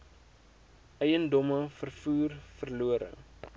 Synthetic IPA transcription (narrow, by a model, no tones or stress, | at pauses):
ɛjəndɔməfərfuːrfərluəɾə̰